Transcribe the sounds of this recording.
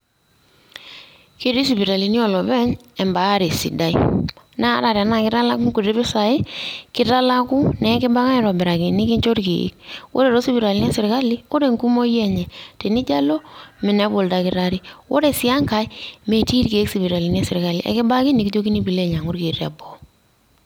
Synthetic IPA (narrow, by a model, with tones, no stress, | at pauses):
ke˦ɾi˦s̬i˨bi˨ɾa˨li˨˦ni˦ɔ˨lɔ˨bɛ˦ɲɛ˨mba˨˦ɾe˨sḭ˨da˦ɪ˦ | na˦ɾa˨ɾa˨na˦˨kɪ˦ɾa˦la˦ku˦ŋku˨ɾe˦bɪ˦sa˨ɪ˦kɪ˦ɾa˦la˦ku˦nɛ˨˦kɪ˦ba˦ka˦ɪ˦ɾɔ˨bɛ˨ɾa˨kɪ˨nɪ˦kɪ˦ɲt͡ʃo˦ɾkḛ˨ḭ˦k̚wo̰˦ɾe˨ɾo˦si˦bi˨ɾa˨li˦n˦ɛ˦sɪ˨ɾka˦li˦o˦ɾe˨ŋku˦mo˦jɛ˦ɲɛ˨te˨nɪ˦d͡ʒa˦lo˦mɪ˨nɛ˨˦bʊ˨lda˨kɪ˦ɾa˦ɾi˦wo˦ɾe˨si˦a˦ŋka˨ɪ˦me˨ti˦ɾke˨˦ksi˨bi˨ɾa˨li˨˦n˦a˦sɪ˨ɾka˦li˨˦ʔɛ̰˨˦kɪ˦ba˦kɪ˦nɪ˨ki˦to˦ki˦ni˦bi˨le˦˨ɲa˨ŋʊ˦ɾke˨ra̰˨bɔ˨˦